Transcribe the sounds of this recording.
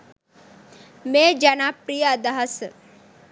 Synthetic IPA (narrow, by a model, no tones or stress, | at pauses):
meːd͡ʒɐnapɾijəɐd̪aɦɐs